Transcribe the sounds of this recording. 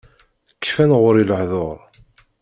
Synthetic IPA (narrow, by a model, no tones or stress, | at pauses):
kːfænʁʊɾiləhðoɾˤ